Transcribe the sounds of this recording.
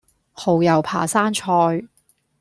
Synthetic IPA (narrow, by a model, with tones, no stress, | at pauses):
ho˨˧wjɐ˨˩wpʰa̰ː˨˩saː˥nt͡ʃʰɔː˧j